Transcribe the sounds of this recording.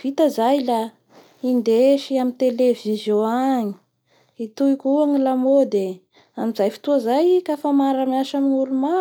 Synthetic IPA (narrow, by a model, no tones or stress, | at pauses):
vit̪azajla | ind̪eʃiamint̪elevizjõaɲi̥ | it̪uikʲuaŋilamod̪e | amizajfi̥t̪uazajkafamaɾamiaʃaminuɾuma